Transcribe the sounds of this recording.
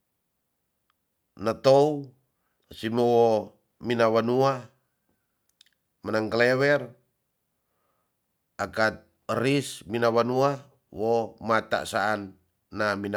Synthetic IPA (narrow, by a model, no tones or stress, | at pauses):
nət̪ou | simowo | minawanua | mənaŋkəlewɛr | akat̪̚ | əɾisminawanua | womat̪a̰ʔsaːnː | amin